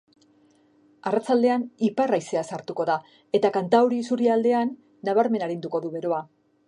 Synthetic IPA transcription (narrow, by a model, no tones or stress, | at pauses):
arat͡sald̪e̞aniparajse̞asaɾt̪uko̞ða | e̞t̪akant̪awɾisuɾiald̪e̞anː | aβ̞aɾme̞naɾind̪uko̞ðuβe̞ɾo̞a